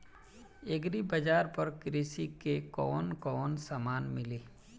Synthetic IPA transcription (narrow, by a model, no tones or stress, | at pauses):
eɡɾibɐd͡ʒaːɾpɐɾkɾɪsikekɔːnkɔːnsaːmaːnmɪleː